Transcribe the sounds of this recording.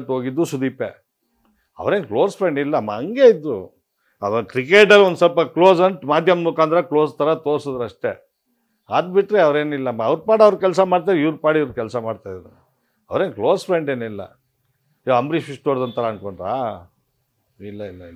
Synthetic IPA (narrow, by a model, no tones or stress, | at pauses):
ʈɦoːɡid̪ːusud̪iːpḛ | ɐ̰ʋɾeːnklo̞ːspʰɾe̞ɳɖilːɐmːɐɐŋɡe̞id̪ɾu | ɐɐkɾikeːʈ̬ɐɾond̪sɐlpɐkloːzɐɳʈmaːd̪ʱjɐmd̪mukaːnd̪ɐɾɐklo̞ːst̪ʰɐɾɐt̪oːɾsod̪ɾɐʂʈe̞ | aːd̪biʈːɾeɐʋɾe̞ːnilːɐmːɐɐʋɾpaːɽɐʋɾkɛls̬ɐmaːɖt̪̬aɾiʋɾpaːɽiiʋɾkɛlsɐmaːɖt̪aːjd̪ɐɾu | ɐ̰ʋɾeːnklo̞ːspʰɾeɳɖeːnilːɐ̰ | joɐmbɾipisʈoːɾd̪ɐnt̪ʰːɐɾɐːnko̞ɳɖɾa̰ː | ilːɐilːɐ